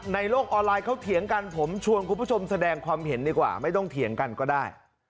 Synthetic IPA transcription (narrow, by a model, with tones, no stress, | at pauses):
na˧jloː˥˩k̚ʔɔː˧nlaː˧jkʰa˦˥wt̪ʰi˨˩˦əŋka˧npʰo˩˦mt͡ɕʰu˧ənkʰu˧˩pːʰo˧msa˧dɛː˧ŋkʰwaː˧mɦe˩˦ndiː˧˩kwa̰ː˨˩ma˥˩jt̪ɔ˥˩ŋt̪ʰi˩˦əŋka˧nkɔː˥˩daː˥˩j